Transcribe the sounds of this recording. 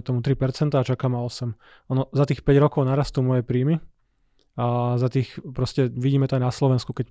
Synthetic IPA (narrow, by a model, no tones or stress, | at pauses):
t̪ɔmut̪ɾipɛɾt͡sɛnt̪aːt͡ʃakaːmaɔsɛm | ɔnɔzat̪iːxpɛɟɾɔkɔʊnaɾast̪uːmɔjɛpɾiːmi | azat̪iːxpɾɔscɛʋiɟiːmɛt̪ɔajnaslɔʋɛnskukɛc